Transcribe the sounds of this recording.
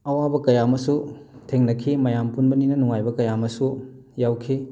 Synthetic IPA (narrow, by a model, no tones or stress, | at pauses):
ɐwabɐkɐjamɐsutʰeŋnɐkʰimɐjampunbɐninɐnuŋajbɐkɐjamɐsu | jawkʰi